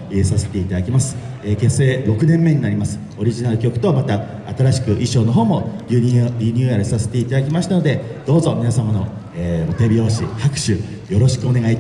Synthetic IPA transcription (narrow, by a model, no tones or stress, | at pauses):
esase̞̥t̪e̞it̪ad̪akʲimasɨ̥ | eke̞se̞ːɾo̞kɯ̟nẽ̞mːe̞ɲ̟inaɾʲimasɨ̥ | o̞ɾʲiʑinaɾɯ̟kʲo̞kɯ̥t̪o̞mat̪aː | t̪aɾaɕi̥kɯ̟ʔiɕoːno̞ɦo̞ːmo̞ɾʲiɾʲiɲ̟ʲɨːaɾɯ̟sase̞̥t̪e̞it̪ad̪akʲimaɕi̥t̪ano̞d̪e̞ | d̪̥o̞ːzo̞mʲinasamano | eːot̪e̞bʲio̞ːɕihakɯ̟̥ɕɨ | jo̞ɾo̞ɕi̥kɯo̞ne̞ɡait